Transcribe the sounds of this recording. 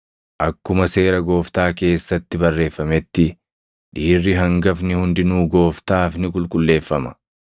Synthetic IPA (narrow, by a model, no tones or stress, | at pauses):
ʔɐkːʊmɐse̞ːɾɐɡo̞ːft̪aːke̞ːsːɐt̪ːɪbɐrːe̞ːfːɐmɛt̪ːɪ | ᶑiːrːɪɦɐŋɡɐfnɪhʊnd̪ɪnuːɡo̞ːft̪aːfnɪkʼʊlkʼʊlːe̞ːfːɐmɐ̥